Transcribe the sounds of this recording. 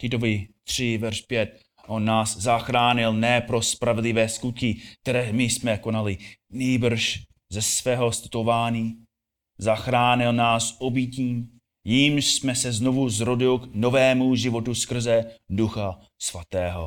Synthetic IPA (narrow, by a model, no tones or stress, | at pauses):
t̪ɪt̪ovɪt̪r̝̥ɪvɛɾʃpjɛt̪̚ | ʔonːaːszaxɾaːɲɪlnɛːpɾo̞spɾavɛdlɪvɛːskut̪̚kɪk̚t̪ɛɾɛːmɪsmɛko̞nalɪniːbr̩ʃ | zɛsvɛːɦo̞st̪t̪o̞vaːɲiː | zaxɾaːɲɪlnaːsʔobiciː | jimʃsmɛsɛzno̞vuzɾo̞dɪlkno̞vɛːmuʒɪvo̞t̪uskr̩zɛduxa | svat̪ɛːɦo̰